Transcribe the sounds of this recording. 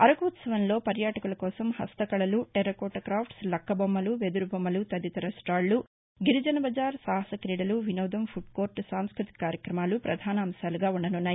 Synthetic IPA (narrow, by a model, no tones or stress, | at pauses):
ɐɾɐkuut̪sɐʋɐnlo̞ːpɐɾjaːʈɐkulɐkɔːsɐmhɐ̰st̪ɐkɐɭɐluʈɛɾɐkoːʈːɐkɾaːpʰʈslɐkːɐbɐmːɐluʋed̪uɾubʱɐmːɐlut̪ɐd̪it̪ɐɾɐsʈaːɭlu | ɡiɾid͡ʒɐnɐbɐd͡ʒaːɾsaːɦɐsɐkɾiːɽɐluʋinɐːd̪ɐmpʰuɖkoːɾʈsaːmskɾut̪i̥kaːɾjɐkɾɐmaːlupɾɐd̪ʱaːnɐːmsaːluɡaːuɳɖɐnunːaː